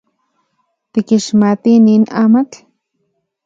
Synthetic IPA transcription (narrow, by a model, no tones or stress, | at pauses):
t̪ikiʃmat̪ininaːmat͡ɬ